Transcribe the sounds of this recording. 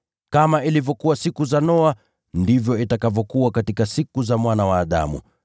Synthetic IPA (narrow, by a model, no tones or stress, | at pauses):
kamailivjɔkuwasikuzanɔa | ndivjɔitakavɔkuwakatikasikuzamwanawaːɗa̰mṵ